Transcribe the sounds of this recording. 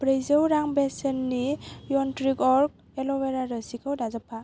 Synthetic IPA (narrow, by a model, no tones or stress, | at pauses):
pɾejzəwɾaŋbesənːijɔntɾikɔɾk̚ | elɔweɾaɾəsikʰəwdazapʰa